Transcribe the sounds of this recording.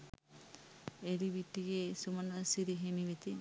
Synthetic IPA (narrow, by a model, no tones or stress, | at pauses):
eɾiʋiʈːiɡesumɐnɐsiɾiɦemiʋit̪i